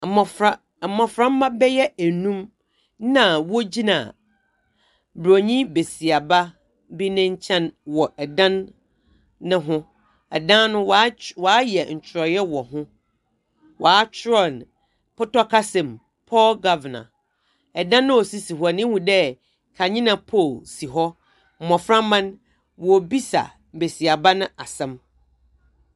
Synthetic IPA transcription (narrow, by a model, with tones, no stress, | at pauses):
mɔ̃˨fɾa˦˨ | mːɔ̃˨fɾã˦m̩˦mã˦bɛ˦jɛ˦æ˨nũ˦m | nã˨wɔ˦d͡ʑi˦nã̰˨ | bɾo˨ɲĩ˦be˨si˨a˨ba˦ | bi˦nɪ̃˦ɲ̩˦t͡ɕʰɛ̃˦nwɔ˨ɛ˨dã˦nː | ɪ̃˦ɦʊ̃˦ | ɛ˨dã˦nʊ̃˦wwɔ˨a˦jɛ˨ɲ̩˨t͡ɕʰɾɔ˨jɛ˦wɔ˨ɦʊ̃˦ | wʔɔ˨a˦t͡ɕʰɾɔ˦˨n | pʊ˦tɔ˦kʰa˦sɛ̃˨m | pʰɔ˦lɡa˦vnã̰˨ | ɛ˨dã˦nːʊ̃˦wɔ˨si˦si˨hwa˨nɪ̃˦hũ˨dɛ˦ | kʰa˨ɲĩ˦nã˨pʰɔ˦˨lsi˨ɦɔ˦ | m̩˨mɔ̃˨fɾã˦mã˦n | wbi˦sa̰˨ | m̩˨be˨si˨a˨ba˦nʊ̃˦ʔa˨sɛ̃˦m